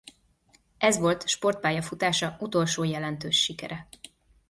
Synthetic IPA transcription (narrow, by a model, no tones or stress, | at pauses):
ɛzʋo̞lt̪ʃpo̞rt̪̚paːjɒfut̪aːʃɒut̪o̞lʃoːjɛlɛnt̪øːʃːikɛ̰ɾɛ